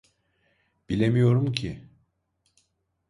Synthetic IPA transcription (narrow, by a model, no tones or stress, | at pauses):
b̥ilʲemijo̞ɾumcʰi